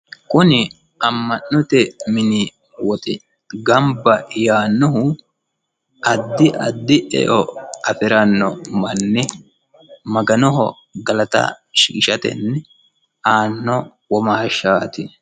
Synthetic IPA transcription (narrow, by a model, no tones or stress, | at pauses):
kʊnɪ | ɐmːɐnːɔt̪ɛmɪnɪ | wɔt̪ʼɪ | ɡɐmbːɐjaːnːɔɦʊ | ʔɐd̪ːɪʔɐd̪ːɪʔɛ̰ʔɔɐfɪɾɐnːɔmɐnːɪ | mɐɡɐnɔɦɔ̰ | ɡɐlɐt̪ɐ̰ | ʃḭːʃɐt̪ɛ̰nːɛ | ʔaːnːɔ | wɔmaːʃaːt̪ɪ